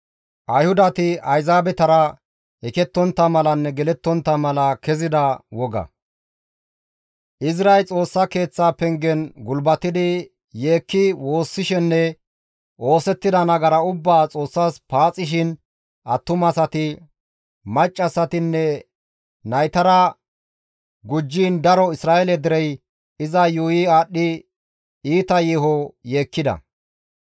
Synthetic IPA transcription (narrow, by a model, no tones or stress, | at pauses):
ʔɐjhʊd̪ɐt̪ɪɐjzaːbɛt̪ɐɾɐ | ɛkɛt̪ːɔnt̪ːɐmɐlɐnːɛɡɛlɛt̪ːɔnt̪ːɐmɐlɐkɛzɪd̪ɐwɔɡɐ̰ | ʔɪsɾɐjlt͡sʼo̞ːsːɐke̞ːt͡sːaːpɛŋɡɛnɡʊlbɐt̪ːɪd̪ɪ | jeːkːɪwo̞ːsːɪʃɛnːɛ | ʔo̞ːsɛt̪ːɪd̪ɐnɐɡɐɾɐʊbːaːt͡sʼo̞ːsːaːspaːt͡sʼɪʃ̬ɪn | ʔɐt̪ːʊmɐsɐt̪ɪ | mɐt͡ʃʼːɐsɐt̪ɪnːɛ | nɐjt̪ɐɾɐ | ɡʊd͡ʒːiːnd̪ɐɾɔɪsɾaːɛlɛd̪ɪɾɛj | ɪzɐjujɪaːɗːɪ | iːt̪ɐjɪɦɔjeːkːɪd̪ɐ̰